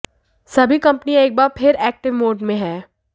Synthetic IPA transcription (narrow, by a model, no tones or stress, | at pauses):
sɐbʱikɐ̃mpnieːk̚baːɾpʰɪɾɛːk̚ʈɪʋmoːɖmẽɦɛː